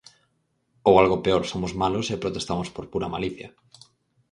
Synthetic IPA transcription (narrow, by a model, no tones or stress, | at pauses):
owalɣopeoɾsomʊzmalosepɾot̪est̪amospoɾpuɾɐmaliθjɐ